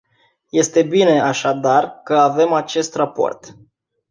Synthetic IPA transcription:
je̞st̪e̞bine̞aʃad̪arkəave̞mat͡ʃe̞st̪ɾapo̞̰rt̪

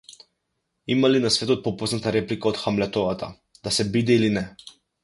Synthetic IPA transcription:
imalinasvɛt̪ɔt̪̚pɔpɔznat̪aɾɛplikaɔt̪xamlɛt̪ɔvat̪ʰa̰ | d̪̥asɛbid̪ɛilinɛ

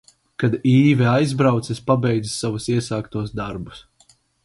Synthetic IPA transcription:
kad̪iːvɛajzbɾawt̪sɛspabɛjd̪zissavusiɛsaːkt̪uɔsd̪aɾbus

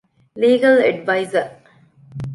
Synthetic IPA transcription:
liːɡɐlɛɖʋɐɪzɐɾ

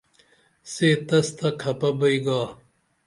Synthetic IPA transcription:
seːt̪ɐst̪ɐkʰɐpɐbɐiɡaː

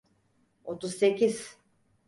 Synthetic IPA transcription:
ot̪ʰuzsecʰiz

